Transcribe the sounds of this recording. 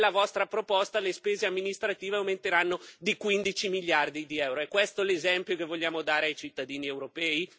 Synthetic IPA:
lːavɔst̪ɾapɾopɔst̪alespeːzeamːinist̪ɾat̪iːveawment̪eɾanːod̪ikwind̪it͡ʃimiʎːard̪id̪iɛwɾoɛkwest̪olezɛmpjokevːoʎːaːmod̪aːɾeajt͡ʃit̪ːad̪iːniewɾopɛːi

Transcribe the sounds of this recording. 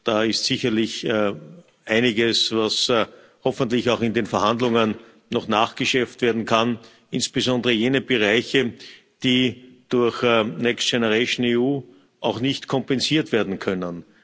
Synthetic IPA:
d̥aːɪstsiçɐlɪç | ʔaɪnɪɡəsvas | hɔfəntlɪçaʊxɪndeːnfɛɐhandlʊŋənː | ɔχnaːχɡ̥əʃɛɐftv̥eːɐdn̩kʰan | ʔɪnsb̥əzɔ̃ndəʁəjeːnəbəʁaɪçə | d̥iːd̥ʊɐçnɛkstʃɛnəʁeɪʃn̩euː | ʔaʊxnɪçtkʰɔmpɛnziːɐtv̥eːɐdn̩kʰœnən

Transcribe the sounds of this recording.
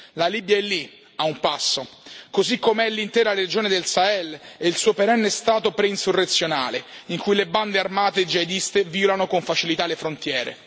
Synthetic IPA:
lalibjaɛlːi | aumpasːokozikːomeɛlːint̪ɛːɾaɾed͡ʒoːned̪elsaɛlɛilsuːopeɾɛnːest̪aːt̪opɾɛinsurːet̪sːjona̰ːleiŋkujleband̪earmaːt̪ed͡ʒaed̪ist̪eviːolanokoɱfat͡ʃilit̪alːefɾont̪jɛːɾḛ

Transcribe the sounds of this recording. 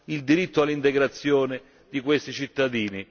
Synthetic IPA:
ild̪iɾit̪ːoalːint̪ɛɡɾat̪sːjɔːnɪ | d̪ikwest̪it͡ʃit̪ːad̪iːni

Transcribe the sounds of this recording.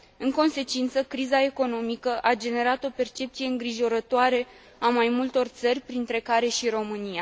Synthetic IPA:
ɨŋko̞nse̞t͡ʃint̪səkɾizae̞ko̞no̞mikəʔad͡ʒe̞ne̞ɾat̪o̞pe̞rt͡ʃe̞p̚tsijeɨŋɡɾiʒo̞ɾət̪oaɾe̞ | amajmult̪o̞rt̪sərʲpɾint̪ɾe̞kaɾe̞ʃiro̞mɨnija

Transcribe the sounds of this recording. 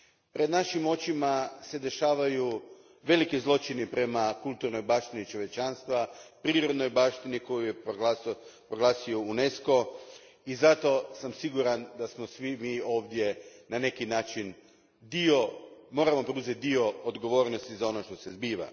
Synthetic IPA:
pɾʔe̞d̪naʃimo̞t͡ʃimase̞d̪e̞ʃaːʋaju | ʋe̞likizlˠo̞t͡ʃinipɾe̞makulˠt̪uɾno̞jbaːʃt̪init͡ʃo̞ʋje̞t͡ʃanst̪ʋapɾiːɾo̞d̪no̞jbaːʃt̪iniko̞juje | pɾoɡlaːsioune̞sko̞ | izat̪o̞samsiɡuɾand̪asmo̞sʋimiːo̞ːʋd̪je̞nane̞kinaːt͡ʃin | d̪iomo̞ːɾamo̞pɾeuzjet̪̚d̪io̞od̪ɡo̞ʋo̞ːɾno̞st̪izao̞no̞ʃt̪o̞se̞zbiːʋa̰

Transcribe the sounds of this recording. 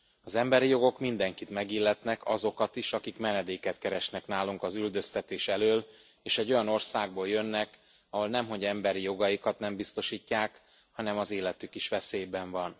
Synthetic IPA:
ɒzɛmbɛɾijo̞ɡo̞kmind̪ɛŋkit̪mɛɡilːɛt̪nɛkɒzo̞kɒt̪iʃɒkikmɛnɛd̪eːkɛt̪kɛɾɛʃnɛknaːluŋkɒzyld̪ø̞st̪ɛt̪eːʃɛløːl | eːʃɛɟːo̞jɒno̞rsaːɡ̚boːljø̞nːɛk | ɒɦo̞lnɛmɦo̞ɟɛmbɛɾijo̞ɡɒjikɒt̪nɛmbist̪o̞ʃiːcːaːk | hɒnɛmɒzeːlɛt̪ykiʃʋɛseːjbɛɱvɒn

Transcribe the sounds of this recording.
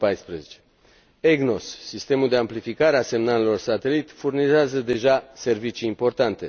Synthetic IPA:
pajspɾezet͡ʃe̥ | eɡno̞sːist̪e̞muld̪e̞amplifikaɾease̞mnalelo̞rsat̪e̞lit̪furnizeazəd̪e̞ʒase̞rvit͡ʃiːmpo̞rt̪ant̪e̞

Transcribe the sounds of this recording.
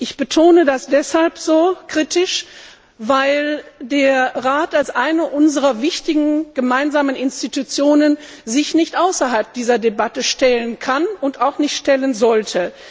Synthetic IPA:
ʔɪçb̥ətʰoːnədasd̥ɛshalpz̥oːkʁ̥itɪʃ | vaɪldeːɐʁaːtalsʔaɪnɐʔʊnzəʁɐvɪçtɪɡŋ̩ɡ̥əmaɪnzaːmənɪnstitut͡sjoːnən | zɪçnɪçtʔaʊsɐɦalp̚d̥iːzɐdebatəʃtɛlənkʰanʊntaʊxnɪçtʃtɛlənzɔltʰə

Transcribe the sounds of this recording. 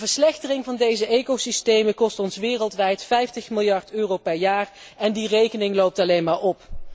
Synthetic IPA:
vəɹslɛxtərɪŋvɑndejzəʔejkowsistejməkɔstɔnsʋɪːrəlˠtʋɛjtfɛjftəχmɪlˠjɑɹtøːrowpɛɹjaːr | ɛndirejkənɪŋlowp̚tɑlejnmaːɹɔp

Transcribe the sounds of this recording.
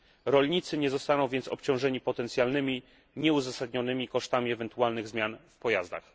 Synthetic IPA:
ɾɔlɲit̪sɘɲɛzɔst̪anɔ̃w̃vʲjɛnsɔ̰pt͡ɕɔ̃w̃ʐɛɲipɔt̪ɛnt̪sʲjalnɘmʲi | ɲɛuzasad̪ɲɔnɘmʲikɔʂt̪amʲiɛvɛnt̪ualnɘɣzmʲjanfpɔjazd̪a̰x

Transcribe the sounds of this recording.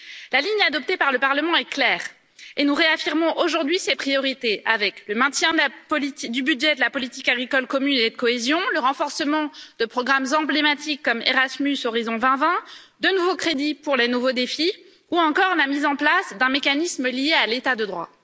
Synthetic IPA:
laliɲad̪ɔp̚t̪epaʁləpaʁləmɑ̃ɛklɛːʁ | enuʁeafiʁmɔ̃ʔoʒuʁd̪ɥisepχijɔʁit̪ea̰vɛkləmɛ̃t̪jɛ̃d̪apɔlit̪id̪ybyd̪ʒɛd̪əlapɔlit̪ikaɡʁikɔlkɔmyned̪əkɔezjɔ̃ləʁɑ̃fɔʁsəmɑ̃d̪̥əpχɔɡʁamzɑ̃blemat̪ʰikːɔmḛʁasmysoʁizɔ̃vɛ̃vɛ̃d̪ənuvokχed̪ipuʁlenuvod̪efi | uɑ̃kɔʁnamizɑ̃plasd̪ɛ̃mekanisməlijealet̪ad̪əd̪ʁwa̰

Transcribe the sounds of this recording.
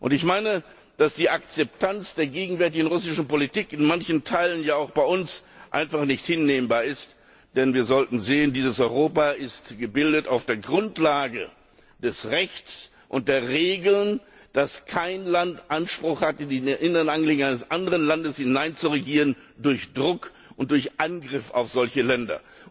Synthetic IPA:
ʔʊ̰ntɪçmaɪnə | d̥asd̥iːʔakt͡sɛp̚tʰant͡sd̥eːɐɡeːɡŋ̩vɛɐtɪɡn̩ʁʊsɪʃn̩politiːkɪnmançn̩tʰaɪlənjaːaʊxb̥aɪʔʊnsʔa̰ɪnfaχnɪçthɪnːeːmbaːɐɪst | d̥ɛnviːɐzɔltn̩zeːəndiːzəsʔɔʏʁoːpaɪstɡ̥əbɪldətaʊfd̥eːɐɡʁʊntlaːɡə̰ | d̥ɛsʁɛçt͡s | ʔʊnt̚d̥eːɐʁeːɡl̩n | d̥askʰaɪnlantʔanʃpʁ̥ʊχhatɪndenʔɪnəʁənʔanɡliːŋʔaɪnəsʔandəʁənlandəshɪnaɪnt͡suʁeɡiːʁən | dʊɐçd̥ʁʊk | ʔʊntd̥ʊɐçʔanɡʁɪfa̰ʊfz̥ɔlçəlɛndɐ̰

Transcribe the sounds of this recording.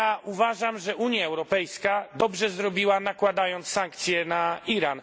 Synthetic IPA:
aʔuvaʐamʐɛʔuɲjaɛwɾɔpɛjskad̪ɔbʐɛzɾɔbʲiwanakwad̪ajɔnt̪ssaŋkt̪sʲjɛnaiɾan

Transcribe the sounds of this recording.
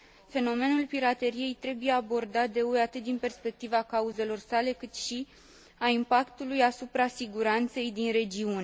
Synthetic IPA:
fe̞no̞me̞nulpiɾat̪e̞ɾije̞jt̪ɾe̞buje̞abo̞rd̪at̪̚d̪e̞ueat̪ɨt̪̚d̪inpe̞rspe̞k̚t̪ivakauze̞lo̞rsale̞kɨt̪ʃi | aimpakt̪ulujasupɾasiɡuɾant̪se̞jd̪inɾe̞d͡ʒiune

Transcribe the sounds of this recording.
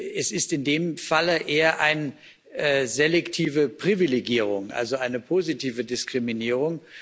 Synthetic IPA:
ɛsɪstɪndeːmfaləʔeːɐʔaɪn | ʔɛzelɛktʰiːvəpʁ̥ivileɡiːʁ̞ʊŋʔa̰lzoʔaɪnəpʰozitʰiːvədɪskʁ̥iminiːʁ̞ʊŋ

